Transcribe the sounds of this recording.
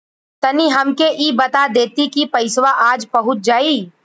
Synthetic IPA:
t̪ɐniɦɐmkeʔibət̪ad̪eːt̪ikipəɪsʋaʔaːd͡ʒpəɦʊt̪̚d͡ʒaːi

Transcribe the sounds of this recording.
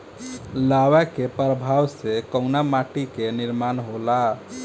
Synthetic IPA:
lawɛkepəɾəbʱawsekəʊnamaʈikeniɾmanɦola

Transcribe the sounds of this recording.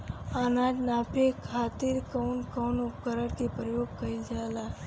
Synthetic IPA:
aːnaːd͡ʒnapʰekʰaːt̪iɾkəwnkɔːnʊkəɾəɽkepɾəjoːɡkəid͡ʒala

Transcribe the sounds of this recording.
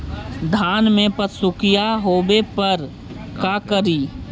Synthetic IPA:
d̪ʱaːnmẽpət̪sʊkɪjaɦoːbepəɾ | kaːkəɾiː

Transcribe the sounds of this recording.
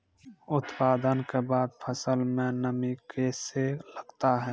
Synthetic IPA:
ʊt̪paːd̪ənkebaːd̪̚pʰəsəlmẽnəmikeːseləɡt̪aɦɛː

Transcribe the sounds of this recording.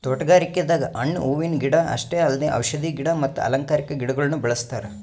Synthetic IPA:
t̪ɔʈɐɡaːɾikːjɐd̪aːɡɐʔɐɳːuːʋinɡiɽɐɐ̰ʂʈeːɐlːɐd̪eʔɐ̰wʃɐd̪iːɡiɽɐmɐt̪ːuɐ̰lɐŋkaːɾikɐɡiɽɐɡɐɭɐnːubɐɭɐst̪aːɾe

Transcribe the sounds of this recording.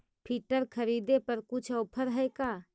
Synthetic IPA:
pʰiːʈəɾkʰəɾiːd̪epɐɾkʊt͡ʃʰɔːpʰəɾɦɛekaː

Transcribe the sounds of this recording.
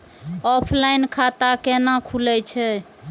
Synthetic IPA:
ɔpʰlajinkʰat̪akenakʰulɛt͡ʃʰɛ

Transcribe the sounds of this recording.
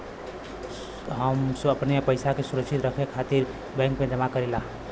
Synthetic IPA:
ɦəməpnepəɪsakesʊɾəksɪt̪ɾəkʰekʰaːt̪iɾ | bɛ̃ːŋkmẽd͡ʒəmakəɾilaː

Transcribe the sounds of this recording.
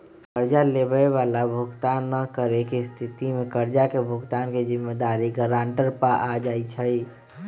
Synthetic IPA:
kəɾd͡ʒalebəeʋalabʱuɡt̪anːəkəɾekest̪ʰit̪imekəɾd͡ʒakebʱuɡt̪anked͡ʒimːed̪aɾiɡəɾaɳʈəɾpəʔad͡ʒait͡ʃʰəj

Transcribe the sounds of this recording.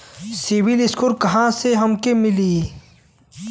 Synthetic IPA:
siwiliskoɾkɐɦãseɦɐmkemɪliː

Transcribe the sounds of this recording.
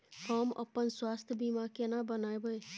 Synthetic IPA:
kaːmə̰pənswaːst̪ʰjbimaːkenabənaːebəe

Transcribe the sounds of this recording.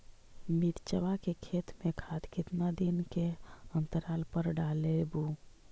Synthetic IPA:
miʈt͡ʃəʋakekʰet̪mekʰat̪kɪt̪nad̪inkeənt̪əɾalpəɾɖalebu

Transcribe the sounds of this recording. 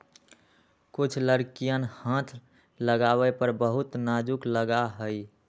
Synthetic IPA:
kʊt͡ʃʰləɾkijənhãt̪ʰ | ləɡawɛpəɾbəɦut̪nad͡ʒukləɡaɦəi

